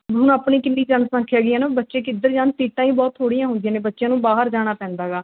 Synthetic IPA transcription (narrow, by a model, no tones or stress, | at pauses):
ɦʊnəpɳiːkɪnːiːt͡ʃənsãːkʰjaːɡɪːãːnabətːʃẽːkɪd̪əɾd͡ʒaːnt̪iːʈãːĩːbɔːt̪ʰoːɽɪjãːɦʊ̃nd̪ɪjaːnẽːbətːʃjãːnũːbaːɦəɾd͡ʒaːɽ̃aːpɛ̃ːnd̪aːɡaː